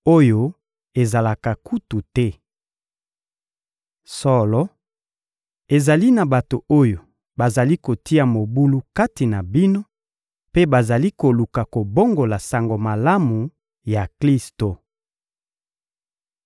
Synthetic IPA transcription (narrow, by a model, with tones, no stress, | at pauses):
o˦jo˦ | e˨za˨la˨ka˨ku˦tu˨tɛ˦ | sɔ˦lɔ˦ | e˨za˨li˦na˨ba˨to˨o˦jo˨ | ba˨za˨li˦ko˨ti˦a˨mo˨bu˦lu˦ka˦ti˨na˨bi˦no˦ | pe˦ba˨za˨li˦ko˨lu˨ka˨ko˨bo˦ŋɡo˨la˨sa˨ŋɡo˨ma˨la˦mu˨ | ja˨kli˦sto˨